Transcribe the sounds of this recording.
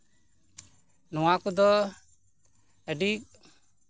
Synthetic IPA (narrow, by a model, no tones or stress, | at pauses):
nɔwakud̪ɔ | ɛɖik̚